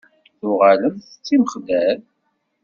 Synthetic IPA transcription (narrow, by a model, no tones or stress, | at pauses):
θʊʁaləmθət͡sːiməχd̪æɾ